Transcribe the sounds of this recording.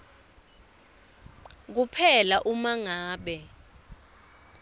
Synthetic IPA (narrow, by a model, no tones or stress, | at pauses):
k̬upʰɛlaʔumaŋaːɓɛ